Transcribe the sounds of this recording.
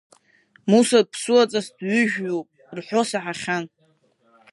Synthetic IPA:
musapʰsɨwat͡sʼasdɥʏʒᶣɥopʼ | rħʷᶣo̞saħaχʲan

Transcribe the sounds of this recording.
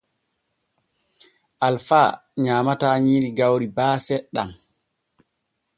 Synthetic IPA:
ʔalfaɲaːmataɲiɾiɡawɾibaːsɛɗːa̰m

